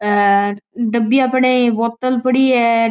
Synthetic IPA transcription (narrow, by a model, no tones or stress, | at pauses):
ɖəbiapɳeboːt̪əlpəɽiːɛ